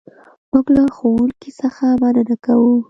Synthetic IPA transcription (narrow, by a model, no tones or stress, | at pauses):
mʊɡlaxowulkisəxabanad̪akawu